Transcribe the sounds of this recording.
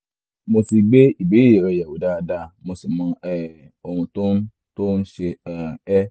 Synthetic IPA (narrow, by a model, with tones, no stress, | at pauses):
mo˧ti˧ɡ͡be˦i˨be˨˦e˨ɾɛ˧˨ja˨wu˨˦da˦˧da˧mo˧si˨mɔ̃˨˧˦ɛ˦ | o˨hũ˧to˦n˦ | to˦n̩˦ʃe˧a˧ɛ˦